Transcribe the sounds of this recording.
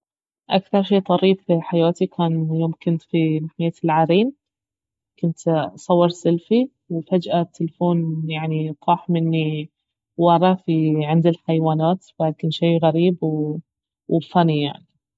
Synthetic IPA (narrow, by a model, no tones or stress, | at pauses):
ʔakθɑɾˤʃeːt̪ˤɑɾiːfiħajaːt̪ikʰaːnjoːmkɪnt̪finaħajːalʕaːɾiːn | kʊnt̪sˤɑwːɑɾˤsɪlfi | wɪfad͡ʒʔat̪ːɪlfoːnjaʕniq̪ˤɑːħmɪnːi | wɑɾˤɑfiʕɪnd̪ilħajwaːnaːt̪bad̪̚kɪnʃiːɣaɾiːbw | wfanija̰ʕni